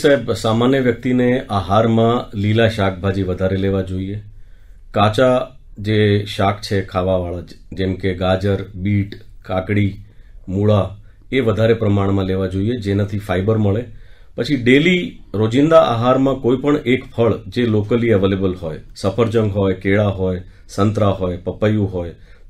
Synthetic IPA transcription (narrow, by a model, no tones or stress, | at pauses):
saebsamanjəʋjək̚t̪ineʔaɦaɾmãlilaʃak̚ʰbʱad͡ʒiʋəd̪ʱaɾeleʋad͡ʒoie | kat͡ʃa | d͡ʒeʃakʰt͡ʃʰekʰaʋaʋaɭad͡ʒɛmkeɡad͡ʒəɾbiʈkakɽimuɭa | eʋəd̪ʱaɾepɾəmaɳ̃mãleʋad͡ʒoied͡ʒenat̪ʰifaibəɾməɭe | pət͡ʃʰiɖeliɾod͡ʒɪnd̪aʔa̰ɦaɾmãkoipəɳekpʰəɭd͡ʒelokəliəʋelebəlɦojsəpʰəɾd͡ʒə̃ŋɡɦojkeɭaɦoj | sənt̪ɾaɦojpəpəjũɦoj